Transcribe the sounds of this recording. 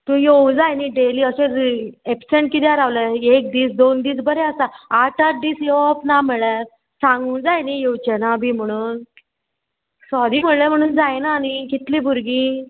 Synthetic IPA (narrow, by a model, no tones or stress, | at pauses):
t̪ũjeud͡zajniːɖeliːəɕẽepseɳʈ̚kit̪jaɾaʋləek̚d̪iːsd̪ond̪iːt͡sbəɾɛəsaaʈaɾ̚d̪iːsjeʋapnam̤əɭa | sãŋɡũːnd͡zajnijewt͡ɕenabʱiːm̤əɽ̃uːn | sɔɾiːm̤əɭɭəm̤əɽ̃uːnd͡zajnaːnikit̪liːbʱuɾɡĩ